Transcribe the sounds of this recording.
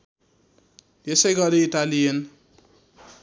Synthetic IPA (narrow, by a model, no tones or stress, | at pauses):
esʌjɡʌɾiiʈalijen